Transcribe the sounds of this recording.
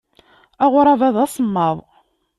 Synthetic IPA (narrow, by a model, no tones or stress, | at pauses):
æʁʊɾˤɑvæðˤæsˤəmːɑðˤ